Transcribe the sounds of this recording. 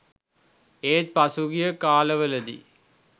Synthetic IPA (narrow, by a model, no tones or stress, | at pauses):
eːt̪̚pasuɡijəkaːləʋələd̪ḭ